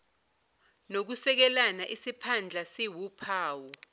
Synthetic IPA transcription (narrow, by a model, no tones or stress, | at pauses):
nok̬usɛk̬ɛlanaʔisipʰand͡ɮʱasiwupʰaːwu